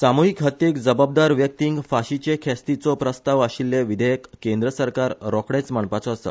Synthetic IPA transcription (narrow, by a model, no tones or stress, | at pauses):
samuɦikɦət̪ːekd͡zəbab̚d̪aɾʋjək̚t̪iŋɡfaɕit͡ɕekʰɛst̪it͡sɔpɾəst̪aʋəɕilːeʋid̪ʱəjəkːend̪ɾəsəɾkaɾɾɔkɽɛt͡smaɳpat͡sɔəsə̰